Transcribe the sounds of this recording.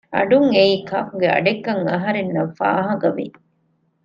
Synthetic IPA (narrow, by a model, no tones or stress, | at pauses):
ɐ̰ɖuŋeiːkɐkuɡeɐ̰ɖekːɐŋɐɦɐɾenːɐfa̰ːɦɐɡɐʋḭ